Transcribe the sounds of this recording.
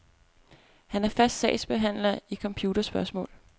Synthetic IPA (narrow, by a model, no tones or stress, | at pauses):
hænæɐfæsd̥sɛ̰ɪsb̥e̝ɦæn̰lɐikʰɒ̽mpʰjuːd̥ɐsb̥ɶɐsmɔ̰̽ːl